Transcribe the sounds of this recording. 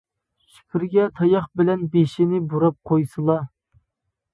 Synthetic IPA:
ʃi̥kʲʰiɾɡʲɛt̪ʰɑjɑχbɪlɛnbeʃinɪbuɾɑp̚qʰojsɨlˠɑ

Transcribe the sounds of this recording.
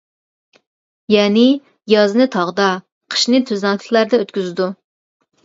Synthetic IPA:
jɛːnɪ | jɑznɨt̪ʰɑʁd̪ɑ | qʰə̥ʃnɨɪt̪ʰøzæŋt̪ʰɪ̥kʰʲlæɾd̪ɛøt̪kʲyzɪd̪u

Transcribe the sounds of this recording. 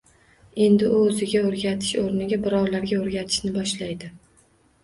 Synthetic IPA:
e̞nd̪ɪʔʊːzɪɡʲaoɾɡʲat̪ʰɪ̥ʃoɾnɪɡʲabɪɾɒwlaɾɡʲaoɾɡʲat̪ʰɪ̥ʃnɪbɒʃlajd̪ɪ

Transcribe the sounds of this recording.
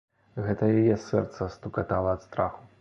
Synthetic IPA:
ɣɛt̪ɐjajɛsɛrt̪sɐst̪ukat̪alˠɐːt̪st̪ɾaxu

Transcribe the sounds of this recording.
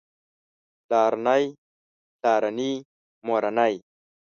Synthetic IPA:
laɾanaj | ɬaːɾani | moɾanaj

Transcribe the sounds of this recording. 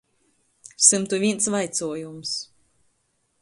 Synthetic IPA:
sɨmt̪uvʲiɛnsvajt̪suɔjums

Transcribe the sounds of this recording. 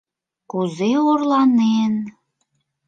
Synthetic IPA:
kuzeorlɑnen

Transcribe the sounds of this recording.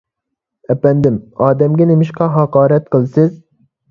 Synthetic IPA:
ɛpɛnd̪ɪmɑːd̪ɛmɡʲɛnemɪʃqɑɦɑqɑːɾɛt̪̚qəlˠsɨz

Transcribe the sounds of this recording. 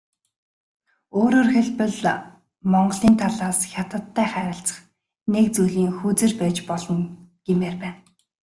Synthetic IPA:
oːɾoːrxeɮpə̆ɮ | mɔɴɢɞ̆ɮiːnt̪ʰaɮaːsxʲjat̪ə̆t̪ʰːæːχæɾʲɪ̆ɬt͡sə̥̆χ | nek̚t͡sujɮiːŋxut͡sĕrpæːt͡ɕpɔɮɞ̆nɡ̥emeːrpæːn

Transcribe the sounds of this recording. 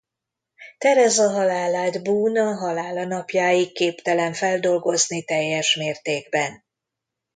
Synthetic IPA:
t̪ɛɾɛzɒɦɒlaːlaːd̪buːnɒɦɒlaːlɒnɒpjaːjikːeːpt̪ɛlɛɱfɛld̪o̞lɡo̞znit̪ɛjːɛʃmeːrt̪eːɡbɛn

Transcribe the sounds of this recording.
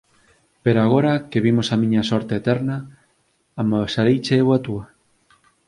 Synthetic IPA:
peɾoaɣ̞oɾɐkeβimʊsamĩɲɐsɔɾt̪eːt̪ɛɾnɐ | amasaɾejt͡ʃeewat̪uɐ

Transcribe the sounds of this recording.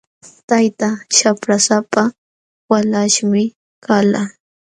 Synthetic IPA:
t̪ajt̪aʃapɾasapa | walaʃmɪ | kala

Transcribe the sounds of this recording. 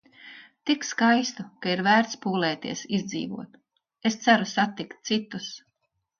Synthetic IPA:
t̪ikskajst̪ukaiɾvæːɾt̪spuːlɛːt̪ḭɛsizd̪zḭːvṵɔt̪ | est̪sæɾusat̪ːikt̪̚t̪sit̪us

